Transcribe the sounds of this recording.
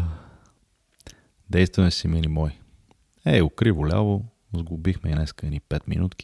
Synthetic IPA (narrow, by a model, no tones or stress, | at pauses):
d̪ɛjst̪vɐmɛsiminimɔj | ɛʊkɾivʊlʲa̰vo | zɡʊbixmɛinɛskənipɛt̪mḭnut̪k̟i̥